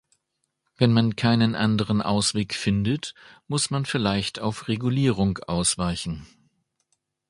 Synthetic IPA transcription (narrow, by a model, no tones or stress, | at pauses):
vɛnmankʰaɪnənʔandəʁ̞ənʔa̰ʊsv̥eːkfɪndətmʊsmanfɪɐlaɪçtaʊfʁeɡuliːʁ̞ʊŋʔaʊsv̥aɪçn̩